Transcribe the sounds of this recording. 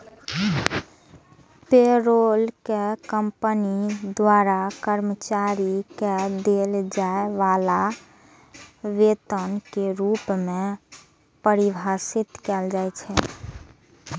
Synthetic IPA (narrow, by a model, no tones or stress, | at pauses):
peɾolkekəmpənid̪waɾakəɾmət͡ʃaɾiked̪eld͡ʒaeʋala | ʋet̪ənkeɾupmẽ | pəɾibʱasit̪kɛld͡ʒajt͡ʃʰɛ